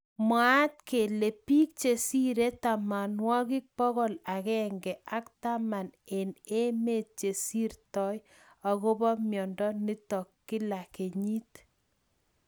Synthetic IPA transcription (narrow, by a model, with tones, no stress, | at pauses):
mwa˦t̪̚ke˨le˨pi˦k̚t͡ʃe˨si˦ɾe˦ta˨ma˨nwɔ˦kɪ˦k̚pɔ˦ɣɔ˦la˨kɛ˦ŋɡɛ˨ʔa˦kta˦ma˨ne˨ne˦me˦t̚t͡ʃe˨si˦ɾtɔ˦j | ɔ˨ɣo˦bɔ˦mjɔ˨ndɔ˦ni˦tɔ˨kːɪ˦la˨ke˨ɲi˦t